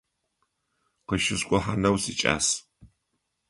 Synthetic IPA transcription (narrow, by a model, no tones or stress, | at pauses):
qəʃɪskʷʼʊħanɐwsit͡ʃʼa̰ːs